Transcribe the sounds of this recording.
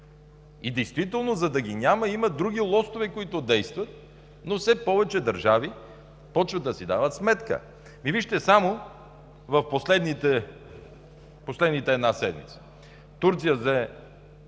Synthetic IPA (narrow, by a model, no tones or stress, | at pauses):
id̪ɛjst̪vit̪ɛlˠnozɐd̪ɐɡʲiɲʲamɐiməd̪ɾuɡʲilˠɔst̪ovɛkoit̪ʊd̪ɛjst̪vɐt̪̚ | nofsɛpɔvɛt͡ʃɛd̪ɐɾʒavi | pɔt͡ʃvəd̪ːɐsid̪avət̪smɛt̪kə̰ | miviʃt̪ɛsamo | vɐfposlɛd̪nit̪ɛ | poslɛd̪nit̪ɛɛd̪nasɛd̪mḭt̪sə̥ | t̪uɾt̪sijəzɛ